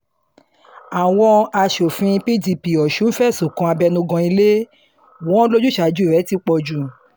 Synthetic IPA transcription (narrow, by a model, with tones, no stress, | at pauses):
a˨w̃ɔ̃˧a˧ʃo˨fĩ˧pi˦di˧pi˨ɔ˨ʃũ˨˦fɛ˦˨so˨kɔ̃˧a˧bɛ˧nũ˧˦ɡɔ̃˧i˧le˦ | wɔ̃˦lo˦d͡ʒu˦˨ʃa˨˦d͡ʒu˦˨ɾɛ˨˦ti˦k͡pɔ˧˨d͡ʒu˦˨